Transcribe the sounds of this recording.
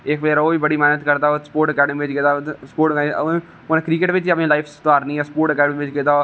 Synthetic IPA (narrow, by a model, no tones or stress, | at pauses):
ɪkʋleːɾoːiːbəɽiːmɛːnət̪kəɾd̪aːospoːɾʈəkɛːɖəmĩːʋɪt͡ʃkɪt̪aːspoːɾʈː | onẽkɾiːkɪʈʋɪt͡ʃːəpnẽːlaːɪpʰst̪oaːɾnĩːɛːsə̥poːɾʈəkɛːɖəmiːʋɪt͡ʃkɪt̪aː